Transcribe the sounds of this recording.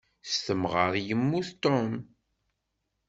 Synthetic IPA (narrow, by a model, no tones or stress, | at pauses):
st̪əmʁəɾˤjəmːuθt̪om